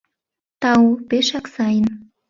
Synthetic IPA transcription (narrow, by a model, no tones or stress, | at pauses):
t̪ɑupeʃɑksɑjən